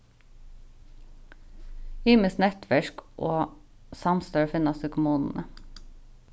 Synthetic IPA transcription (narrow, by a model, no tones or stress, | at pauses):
yːməsnɛt̪ʰʋæʃkʔoːsɑmst̪øːɹfɪnɑsʉkʊmuːnn̩ʔə